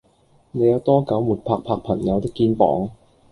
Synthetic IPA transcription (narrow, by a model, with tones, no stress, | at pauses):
ne˨˧jɐ˨˧wt̪ɔː˥kɐ˨˥wmuː˨˩t̚pʰaː˧k̚pʰaː˧k̚pʰɐ˨˩ŋjɐ˨˧wt̪ɪ˥kːiː˧npɔ̰ː˨˥ŋ